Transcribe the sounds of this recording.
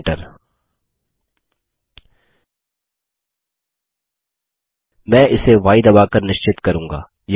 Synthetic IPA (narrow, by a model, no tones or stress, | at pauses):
ʈəɾ | mɛ̃ːʔɪseʋaːɪd̪ɐbaːkɐɾnɪʃt͡ʃɪt̪kɐɾũːŋɡa̰ː | j